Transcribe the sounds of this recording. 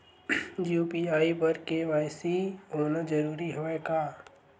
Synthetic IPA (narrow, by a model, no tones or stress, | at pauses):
juːpiaːibɐɾkeʋaːɪsiɦoːnad͡ʒɐɾuːɾiɦoːekaː